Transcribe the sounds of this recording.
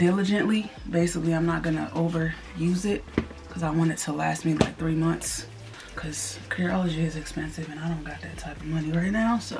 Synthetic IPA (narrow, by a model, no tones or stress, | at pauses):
d̥ɪlˠəd͡ʒɨ̃nʔlibeɪsɨkliãɪ̃mnət̚ɡ̥ʌnə̰ʔoʊvə˞ | jʉzɪt̚ | kʰʌzaɪwɑ̃ɾ̃ɨdtʰəlæst̚mila̰ɪk̚θɹimʌ̃nθs | kʰʌz̥kʰɪɹɑlˠəd͡ʒiɪzɨkspɛ̃nsɨvɨ̃ñaɪɾõʊ̃nɡ̥ɑt̪̚ðɨtʰaɪpʌvmʌniɹaɪtⁿnaʊso